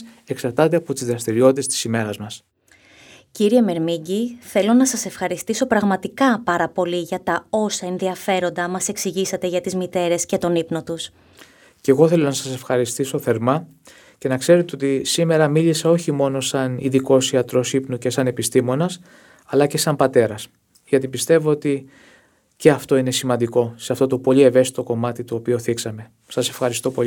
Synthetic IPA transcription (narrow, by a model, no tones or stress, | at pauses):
e̞ksɐɾt̪ɐt̪eɐpo̞t̪izðɾɐst̪iɾiot̪it̪est̪i̥sime̞ɾɐzmɐs | ciɾieme̞ɾmiɟiθe̞lo̞nɐsɐse̞fxɐɾist̪iso̞pɾɐɣmɐt̪ikɐpɐɾɐpo̞liʝɐt̪ɐo̞sɐe̞nðiɐfe̞ɾo̞nd̪ɐmɐse̞ksiʝisɐt̪e̞ʝɐt̪izmit̪e̞ɾe̞sce̞t̪o̞nipno̞t̪us | ce̞ɣo̞θe̞lo̞nɐsɐse̞fxɐɾist̪iso̞θe̞ɾmɐ | ce̞nɐkse̞ɾe̞t̪eo̞t̪isime̞ɾɐmiliseo̞çimo̞no̞sɐniðiko̞siɐt̪ɾo̞sipnuce̞sɐne̞pist̪imo̞nɐs | ɐlɐce̞sɐmbɐt̪e̞ɾɐs | ʝɐt̪ipist̪e̞voot̪i | ce̞ɐft̪o̞ine̞simɐnd̪iko̞seɐft̪o̞t̪opo̞ʎie̞ve̞st̪it̪o̞ko̞mɐt̪it̪oːpioθiksɐme̞ | sɐse̞fxɐɾist̪o̞po̞i